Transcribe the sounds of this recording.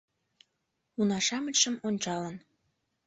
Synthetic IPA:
unɑʃɑmət͡ɕʃəmonʲt͡ɕɑlən

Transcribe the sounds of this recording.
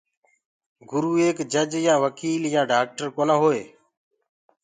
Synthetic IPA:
ɡʊɾuːeːkd͡ʒəd͡ʒjãːʋəkiːljãːɖaːk̚ʈəɾkoːnãːɦoːeː

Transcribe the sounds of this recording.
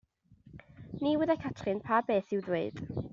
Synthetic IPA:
niwɛðakʰatʰrɨnpʰabeːθɪwðweɨd̥

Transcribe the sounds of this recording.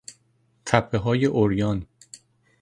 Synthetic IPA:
t̪ʰæpʰːeɦɒːjeʔoɾjɒːn

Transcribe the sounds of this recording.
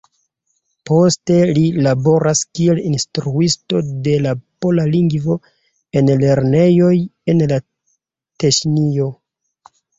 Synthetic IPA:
po̞ste̞lilabo̞ɾʔaskielinstɾuisto̞de̞lapo̞laliŋɡvo̞ | e̞nle̞ɾne̞jo̞je̞nla | teʃnio̞

